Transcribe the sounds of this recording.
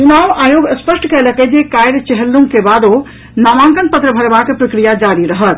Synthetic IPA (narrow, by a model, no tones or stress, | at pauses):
t͡ʃunawajoɡəspəsʈkɛləkɛd͡ʒekajɾt͡ʃəɦəlːũŋkebad̪o | namãŋkənpət̪ɾəbʱəɾbakepɾəkɾijad͡ʒaɾiɾəɦət̪